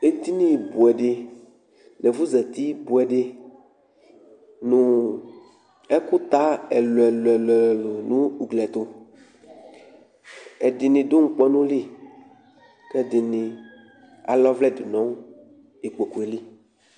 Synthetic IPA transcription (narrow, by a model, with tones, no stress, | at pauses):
e˨t̪i˦nĩ˦˨bu˨ɛ˨ɖɪ˦ | nɛ˨vu˦zɛ˨t̪i˦bu˨ɛ˨ɖɪ˦ | nũ˨ | ɛ˦ku˦t̪a˦ɛ˨lo˨ɛ˨lo˨ɛ˨lɛ˨lo˨nũ˦u˨ɡlɛ˨t̪o˦ | ɛ˨d̪ɪ˨nĩ˨d̪o˦ŋ̩˨k͡pɔ˦nũ˦li˦ | kɛ˦d̪ɪ˨nĩ˨ | a̰˨lɔ˦vlɛ˦di˨nɔ̃˦ | e˨k͡po˨ku˨e˨li˦